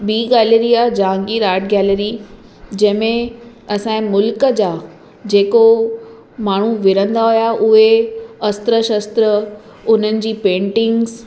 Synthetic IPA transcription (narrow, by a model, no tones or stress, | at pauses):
ɓiːɡɛːleɾiad͡ʑãːŋɡiːɾaːʈɡɛːleɾi | d͡ʑɐ̃ɦɪ̃mẽ | ɐsãẽmʊlkəd͡ʑaː | d͡ʑeːko | maːɳ̤uʋɪɾə̃nd̪aɦʊjaʔʊɦeɐst̪ɾəʃəst̪ɾə | ʊn̤ənɪ̆d͡ʑiːpẽːɳʈɪ̃ŋɡz